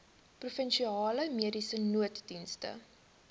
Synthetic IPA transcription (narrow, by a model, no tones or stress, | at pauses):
prufənʃiɑːləmiədisənuətdinstə̰